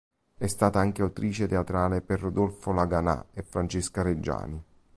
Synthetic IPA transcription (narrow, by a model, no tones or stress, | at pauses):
ɛst̪aːt̪aaŋk̟eawt̪ɾiːt͡ʃet̪eat̪ɾaːleperːod̪olfolaɡana̰efɾant͡ʃeskaɾed͡ʒːa̰ːni